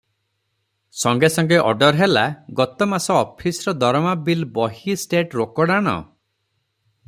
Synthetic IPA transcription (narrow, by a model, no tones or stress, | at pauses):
sɔŋɡesɔŋɡeʔɔ̰ɖɔɾɦelaɡɔt̪ɔmasɔɔpʰisɔɾɔd̪ɔɾmabilbɔɦisʈeʈɾokɔɽaɽ̃ɔ̰